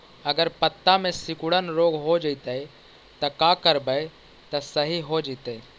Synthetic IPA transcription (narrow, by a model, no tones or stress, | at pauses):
əɡəɾpət̪ːamesikuɽənɾoɡɦod͡ʒəɪt̪əj | t̪ɔkakəɾbəj | t̪əsəɦiɦod͡ʒət̪əj